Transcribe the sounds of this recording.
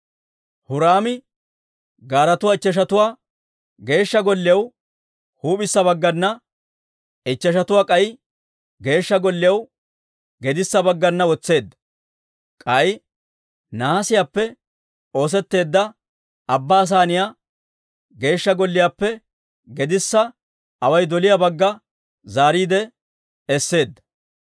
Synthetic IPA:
hʊɾaːmɪ | ɡaːɾɐt̪ʊwaːɪt͡ʃːɐʃ̬ɐt̪ʊwaː | ɡe̞ːʃːɐɡɔlːɪjɐw | huːpɪsːɐbɐɡːɐnːɐ | ɪt͡ʃːɐʃɐt̪ʊwaːkʼɐj | ɡe̞ːʃːɐɡɔlːɪjɐw | ɡɛd̪ɪsːɐbɐɡːɐnːɐwɔt͡sːe̞ːd̪ːɐ̥ | kʼɐj | naːsɪjaːpːɛ | o̞ːs̬ɛt̪ːe̞ːd̪ːɐ | ɐbːaːs̬aːnɪjaː | ɡe̞ːʃːɐɡɔlːɪjaːpːɛ | ɡɛd̪ɪsːɐ | ɐwɐjd̪ɔlɪjabɐɡːɐ | zaːɾiːd̪ɛ | ɛsːe̞ːd̪ːɐ̥

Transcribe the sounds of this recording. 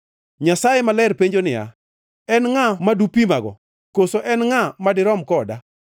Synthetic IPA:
ɲasajemalɛɾpeɲd͡ʒonɪja̰ | ɛnŋamadupimaɡɔ̰ | kosoʔɛnŋamadɪɾɔmkɔda

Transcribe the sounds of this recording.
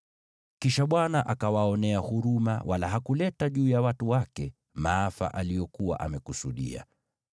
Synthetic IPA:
kiʃaɓwanaʔakawaɔnɛahuɾuma̰wʔala̰ɦakulɛtaʄuːjawatuwakɛ | maafa̰ʔalijɔkuwa̰ʔamɛkusuɗḭa̰

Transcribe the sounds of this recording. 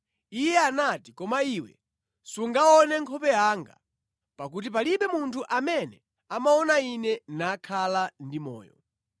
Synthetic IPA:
ijɛanatikɔmaiwɛ̰ | suŋɡaɔnɛŋkʰɔpɛjaːŋɡa̰ | pakut̬ipaliɓɛmuntʰuʔamɛnɛ | amaɔnainɛnakʰalandimɔ̰ːjɔ̰

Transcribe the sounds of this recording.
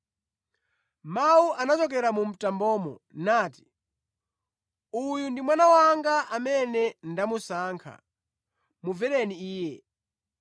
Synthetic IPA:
mawuʔanat͡ʃɔk̬ɛɾamum̩tambɔːmɔ̰naːti̥ | ujundimwanawaŋɡaʔamɛnɛndamusaːŋkʰa̰ | muvɛɾɛniiːjɛ

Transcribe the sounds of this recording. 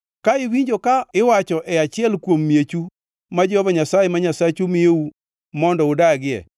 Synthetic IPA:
kaɪwiɲd͡ʒokaɪwat͡ʃɔʔɛat͡ʃɪɛlkwomːjet͡ʃu | mad͡ʒɛhɔvaɲasajɛmaɲasat͡ʃumɪjeu | mɔndɔʊdaɡɪɛ̰

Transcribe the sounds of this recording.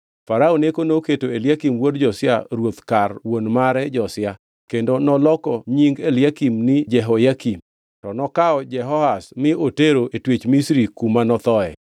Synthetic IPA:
faɾaonekonoketoeljakimwodd͡ʒɔsɪaɾwot̪karwonmaɾɛd͡ʒɔsɪja | kendonɔlɔkɔɲiŋɡeljakimnɪd͡ʒɛɦojakim | tɔnɔkaɔd͡ʒɛɦɔhasmɪoteɾoʔetwet͡ʃmisɾikumanɔt̪ɔɛ̰

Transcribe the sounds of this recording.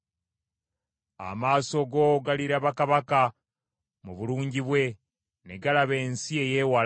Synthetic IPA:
a̰maːso̞ɡo̞ɡaliɾaβakaβaka | muβuluːɲɟiβwe̞ | neɡalaβe̞ːnsie̞je̞wal

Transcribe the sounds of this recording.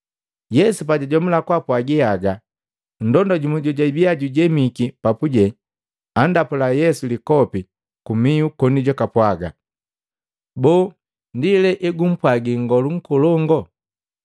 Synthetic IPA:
jɛsup̬aɟaɟɔmulakwapwaɡiaɡa | n̩dɔndɔɟumɛɟɔɟaibiaɟuɟɛmikipapuɟɛ | andapulajɛsulikɔpi | kumiukɔniɟɔkapwaɡa̰ | bɔː | ndilɛʔɛɡum̩pwaɡiŋɡɔluŋ̩kɔlɔŋɡɔ

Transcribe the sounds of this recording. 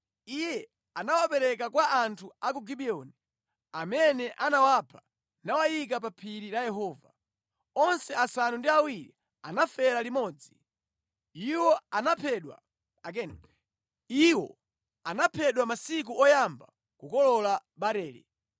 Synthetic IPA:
ijɛ | anawapɛɾɛkakwaʔantʰuak̬uɡiɓiɔni | amɛnɛʔanawapʰḁ | nawajik̬ap̬apʰiɾilajɛɦɔːva̰ | ɔnsɛasanundiawiɾḭ | a̰nafɛɾalimɔːd͡zi | iwɔanapʰɛɗwa̰ | ɛ | iwɔ̰ | anapʰɛɗwamasik̬uʔɔjamba | kukɔlɔlaɓaɾɛːɾɛ̰

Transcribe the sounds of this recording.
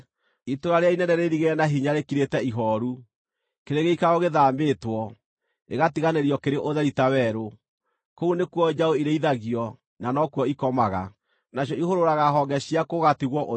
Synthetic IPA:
itoɾaɾeainɛnɛɾeɾiɣeɾɛnaɦiɲaɾekiɾetɛiɦɔɾu | keɾeɣeikaɣoɣeðaːmbeːtwɔ | ḛɣatiɣaneɾiɔkeɾeʔoðɛɾitawɛɾo | kounekwɔd͡ʒaoiɾeiðaɣiɔ | nanɔkwɔikɔmaɣa̰ | naɕjɔihoɾoɾaɣaɦɔŋɡɛɕiakoɣatiɣwɔʔo

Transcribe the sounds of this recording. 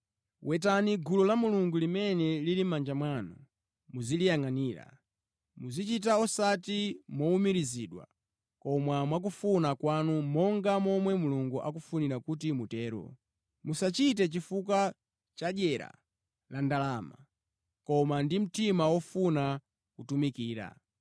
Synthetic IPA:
wɛt̬aniɡulɔlamuluŋɡulimɛnɛlilimand͡ʒamwanɔ | muzilijaŋaniːɾa̰ | muzit͡ʃit̬aɔsatimɔumiɾiziɗwa̰ | kɔmwamwak̬ufunakwanumɔŋɡamɔmwɛmuluŋɡuʔa̰k̬ufuniɾakut̬imutɛːɾɔ̰ | musat͡ʃit̬ɛt͡ʃifukwa | t͡ʃaʄɛɾa̰ | landalama̰ | kɔmandim̩timawɔfuna | kutumikiːɾa̰

